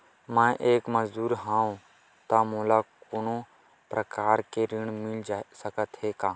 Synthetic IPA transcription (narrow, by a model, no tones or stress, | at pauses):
mãːʔeːkməzd̪uːɾɦãːõː | t̪aːmõːlaːkoːnõː | pɾəkaːɾkeːɾɪːɳmɪld͡ʒasəkət̪ɦeːkaː